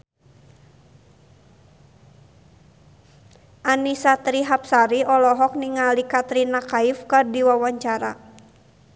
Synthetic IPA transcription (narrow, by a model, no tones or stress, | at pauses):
ʔanisat̪ɾiɦap̚saɾiɔlɔɦɔk̚niŋalikat̪ɾinakaifkardiwawaɲt͡ʃaɾa